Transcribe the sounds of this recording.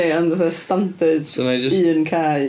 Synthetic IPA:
ɪʌ̃ndəðəstãmtɪdsnad͡ʒʌiːə̃nkʰa

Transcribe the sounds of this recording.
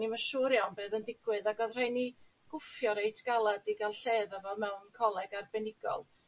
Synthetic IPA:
niməʃʊɾjɔnbeːðəndɪɡ̥wɨðaɡɔðr̥ejni | ɡ̥ʊfjɔɾejtʰɡ̥alˠadiɡalˠɬeːðavɛlˠmɛwnkʰɔlˠɛɡarbɛnɪɡ̥ɔ̰lˠ

